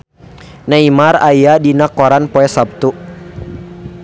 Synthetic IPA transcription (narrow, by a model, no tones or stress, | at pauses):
naimaɾajadinakɔɾanpɔɛsap̚t̪u